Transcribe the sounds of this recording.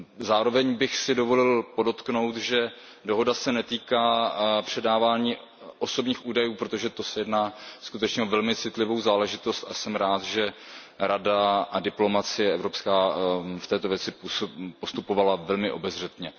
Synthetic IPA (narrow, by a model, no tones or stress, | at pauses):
zaːɾo̞vɛɲbɪxsɪdovo̞lɪlpo̞do̞t̪kno̞wt̪ʒɛ | do̞ɦo̞dasɛnɛt̪iːkaːpr̝̥ɛdaːvaːɲiː | ʔo̞so̞bɲiːxʔuːdajuːpɾot̪oʒɛt̪o̞sɛjɛdnaːskut̪ɛt͡ʃɲɛovɛlmɪt͡sɪt̪lɪvo̞wzaːlɛʒɪt̪o̞st̪asɛmɾaːt̪ʒɛ | ɾadaʔadɪplo̞mat͡sɪjɛɛvɾo̞pskaːft̪ɛːt̪o̞vjɛt͡sɪpuspo̞st̪upo̞valavɛlmɪʔo̞bɛzr̝ɛt̪ɲɛ